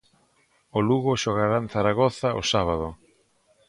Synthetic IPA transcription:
oluɣʊʃoɣaɾanθaɾaɣɔθaʔo̰saβ̞aðʊ

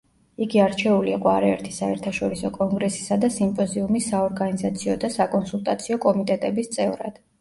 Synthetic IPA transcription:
iɡiaɾt͡ʃʰɛuliiqʼɔaɾaɛɾt̪ʰisaɛɾt̪ʰaʃɔɾisɔkʼɔŋɡɾɛsi̥sad̪asimpʼɔziumisːaɔɾɡanizat̪sʰiɔd̪asakʼɔnsulˠt̪ʼat̪sʰiɔkʼɔmit̪ʼɛt̪ʼɛbist̪sʼɛvɾa̰d̪̥

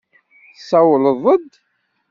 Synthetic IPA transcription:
sæwləðˤəd̪

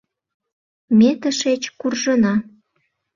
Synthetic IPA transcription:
mʲet̪əʃet͡ɕkurʒənɑ

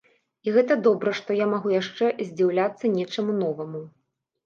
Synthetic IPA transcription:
iɣɛt̪ɐd̪ɔbɾɐʂt̪ɔjamaɣujaʂt͡ʂɛzʲd͡zʲiwlʲat̪sːɐnʲɛt͡ʂɐmunɔvɐmu

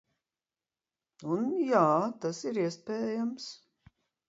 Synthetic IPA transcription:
unjaːt̪asiɾiɛspɛːjams

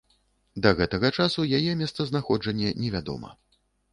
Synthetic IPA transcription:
d̪ɐɣɛt̪ɐɣɐt͡ʂasujajɛmʲɛst̪sɐznaxɔd͡ʐɐnʲːɛnʲɛvʲad̪ɔ̰mɐ̰

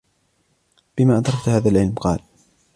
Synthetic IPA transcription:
b̥ɪmaːʔɑd̪ɾˤɑkt̪haːðalʕɪlmqɑ̰ːl

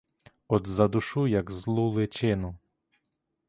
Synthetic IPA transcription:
ɔd̪zɐd̪ʊʃujɐɡzlˠulˠɪt͡ʃɪnʊ

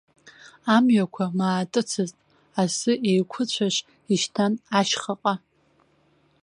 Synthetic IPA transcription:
amɥakʷʰamaːtʼɨt͡sʰɨztʼ | asɨʔejkʷʰʊt͡ɕʷʰaʃ | iʃtʰanaʃχaqʼa

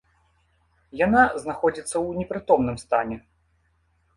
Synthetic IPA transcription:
janaznaxɔd͡zʲit̪sːɐwnʲɛpɾɨt̪ɔmnɨmst̪anʲɛ

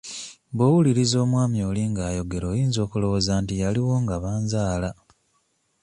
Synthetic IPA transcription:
bowuliɾizo̞ːmwaːmjo̞ːliŋɡaːjo̞ɡe̞ɾo̞ːjiːnzo̞ːkulo̞wozaːntijaliwo̞ŋɡaβaːnzaːla

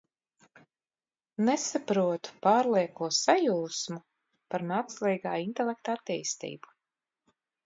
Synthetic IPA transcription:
nɛsapɾuɔt̪u̥paːɾlˠiɛkuɔsajuːsmu | paɾmaːkslˠiːɡaːint̪ɛlɛk̚t̪at̪ːiːst̪ḭːbu̥

